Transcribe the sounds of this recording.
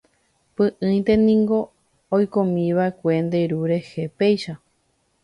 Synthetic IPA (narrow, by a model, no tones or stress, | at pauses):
pɨ̃ʔɨ̃j̃t̪e̞nĩŋɡo̞ː | jkõmĩʋaekʷe̞nd̪e̞ɾuɾe̞he̞pejʃa